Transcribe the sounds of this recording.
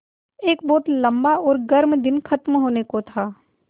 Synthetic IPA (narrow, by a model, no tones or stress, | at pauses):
eːkbɔːt̪lɐ̃mbaɔːɾɡɐɾmd̪ɪnxɐt̪mɦoːnekot̪ʰaː